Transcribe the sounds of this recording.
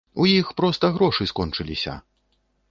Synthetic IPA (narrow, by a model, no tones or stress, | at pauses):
ujixpɾɔst̪ɐɣɾɔʂɨskɔnt͡ʂɨlʲisʲɐ̰